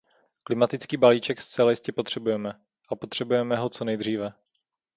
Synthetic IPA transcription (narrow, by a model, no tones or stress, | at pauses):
klɪmat̪ɪt͡skiːbaliːt͡ʃɛkst͡sɛlajɪscɛpot̪r̥ɛbujɛmɛ | ʔapot̪r̥ɛbujɛmɛɦo̞t͡so̞nɛjd̪r̝iːvɛ